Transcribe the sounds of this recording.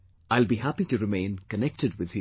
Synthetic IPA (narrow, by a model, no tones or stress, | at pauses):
aɪlˠbihapitɨɹɨmẽɪ̃nkʰənɛk̚tɨd̚wɪð̥ɨ